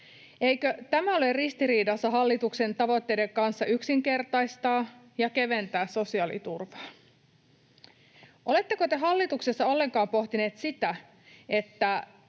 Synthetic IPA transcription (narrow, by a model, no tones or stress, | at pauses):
ejkøt̪æmæo̞lerrist̪iriːdɑsːɑɦɑlːit̪ukse̞nt̪ɑʋo̞t̪ːe̞jde̞ŋkɑnsːɑyksiŋke̞rt̪ɑjst̪ɑː | jɑkeʋe̞nt̪æːsso̞siɑlḭt̪urʋɑː | ʔo̞le̞t̪ːe̞ko̞t̪e̞ɦɑlːit̪uksesːɑo̞lːe̞ŋkɑːmpo̞ht̪ine̞ːt̪sit̪æ | e̞t̪ːæ